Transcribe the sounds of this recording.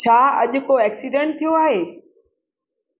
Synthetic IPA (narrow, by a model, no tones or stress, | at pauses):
t͡ɕʰaːɐ̰ʄʊ̆koɛːksiɖə̃ɳʈ̚t̪ʰijoaːɦeː